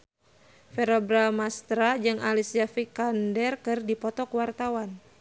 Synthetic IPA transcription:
fɛɾɔbɾamast̪ɾad͡ʒɨŋʔalisiafikandɛrkɨrdipɔt̪ɔkwart̪awan

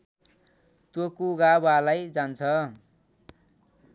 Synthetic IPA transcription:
t̪jokoɡabalajd͡zant͡sʰʌ

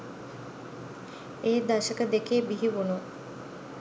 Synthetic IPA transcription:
eːd̪aʃəkəd̪ekeːbiɦiʋunu

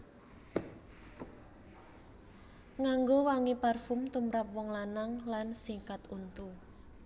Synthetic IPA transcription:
ŋaŋɡowaŋiparfʊmt̪umɾap̚wɔŋlanaŋlansiŋkat̪unt̪u

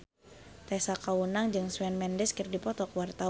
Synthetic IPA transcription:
t̪ɛsakawunaŋd͡ʒɨŋswɛnmɛndɛskɨrdipɔt̪ɔkəwart̪a

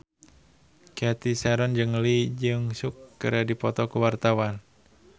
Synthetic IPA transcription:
kɛt̪isɛɾɔnd͡ʒəŋlid͡ʒɨŋsukːəɾadipɔt̪ɔkuwart̪awan

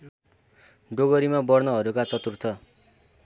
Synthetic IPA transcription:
ɖoɡʌɾimabʌrnʌɦʌɾukat͡sʌt̪urt̪ʰʌ

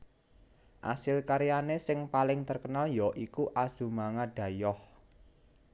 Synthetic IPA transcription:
ʔa̰sɪlkaɾijanesɪŋpalɪŋt̪ərkənaljɔʔikuʔaz̥ṳmaŋaɖ̥ä̤jɔh

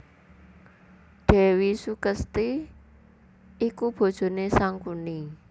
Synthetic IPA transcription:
ɖ̥ɛ̤wisukəst̪i | ikub̥o̤d̥ʒ̥o̤nesaŋkuni

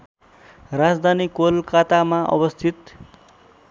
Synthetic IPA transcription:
rad͡zd̪ʱanikolkat̪amaʔʌ̰bʌst̪ʰit̪

